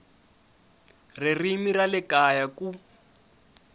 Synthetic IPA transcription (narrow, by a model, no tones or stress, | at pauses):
ririmiralɛkajaku